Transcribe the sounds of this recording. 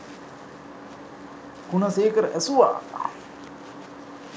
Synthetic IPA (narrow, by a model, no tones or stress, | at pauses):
kunɐseːkəɾʔɛsuʋa̰ː